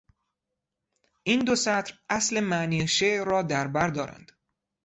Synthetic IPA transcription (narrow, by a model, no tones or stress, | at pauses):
ʔiːnd̪osæt̪ɾʔæsle̞mæniʃeʔɾɒːd̪æɾbæɾd̪ɒːɾæ̰nd̪̥